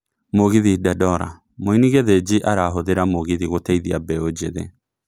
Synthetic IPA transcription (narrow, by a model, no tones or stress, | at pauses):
moɣiðidadɔɾa̰ | moiniɣeðed͡ʒiʔaɾaɦoðeɾamoɣiðiɣotɛiðiabɛod͡ʒeðḛ